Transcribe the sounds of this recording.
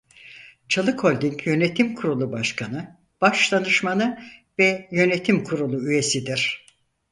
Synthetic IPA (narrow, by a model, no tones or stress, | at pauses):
t͡ʃʰalˠɯkʰho̞lʲd̪iɲcʰjø̞net̪ʰimkʰuɾulˠubaʃkʰanɯ | b̥aʃlˠanɯʃmanɯvɛjø̞net̪ʰimkʰuɾulˠuyje̞sid̪iɾ̥